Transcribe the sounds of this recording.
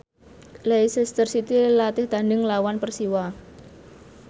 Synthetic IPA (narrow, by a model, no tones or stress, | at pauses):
leisist̪ərsit̪ilat̪ɪhd̪̥anɪŋlawanpərsiwa